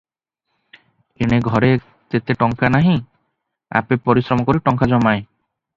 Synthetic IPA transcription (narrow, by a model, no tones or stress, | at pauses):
eɽ̃eɡʱɔɾe | t̪et̪eʈɔŋkanaɦĩ | a̰pepɔɾisɾɔmɔkɔɾiʈɔŋkad͡ʒɔmae